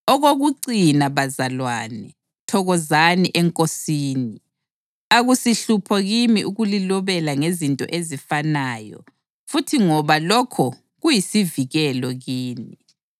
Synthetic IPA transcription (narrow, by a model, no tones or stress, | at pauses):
ɔɣoɣuǀinaβazalwanɛ | tʰɔɣɔzaniʔɛŋkʼosiːni | aɣusiɬupʰɔɣimiʔuɣulilɔβɛlaŋezintʼɔ̰ʔezifanaːjɔ̰ | futʰiŋɔβalɔkʰɔ | ɣujisiviɣɛlɔɣiːni